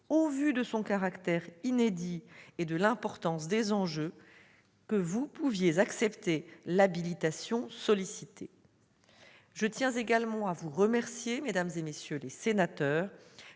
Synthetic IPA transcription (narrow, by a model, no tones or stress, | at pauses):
ovyd̪əsɔ̃kaʁakt̪ɛʁined̪ied̪əlɛ̃pɔʁt̪ɑ̃sd̪ezɑ̃ʒø | kəvupuvjezaksɛpt̪elabilit̪asjɔ̃sɔlisit̪ʰe | ʒət̪jɛ̃zeɡalmɑ̃avuʁəmɛʁsjemed̪amzemesjølesenat̪œːʁ